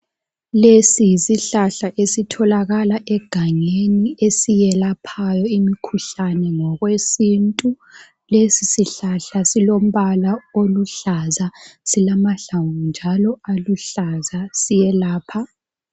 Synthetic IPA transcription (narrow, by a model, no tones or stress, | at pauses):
lesijisiɬaɬaʔesitʰɔlaɣalaʔɛɡ̥ʱaŋeniesijɛlapʰajɔimikʰuɬanɛŋɔɣwesintʼu | lesisiɬaɬasilom̩βalaoluɬazasilamaɬawund͡ʒʱalɔaluɬazasijɛlaːpʰa